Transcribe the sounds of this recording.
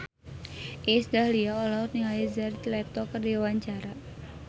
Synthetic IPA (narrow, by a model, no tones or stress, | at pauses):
ʔisdahliaɔlɔrniŋajizart̪lɛt̪ɔkərdiwaɲt͡ʃaɾa